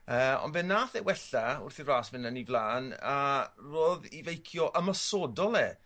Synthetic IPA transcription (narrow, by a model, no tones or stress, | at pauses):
əːɔ̰nbɛnːaːθɛwɛɬaʊ̰rθiraːsvɪnənivlˠaːnaroːðivejkʰjɔʔəmasɔdɔlˠɛ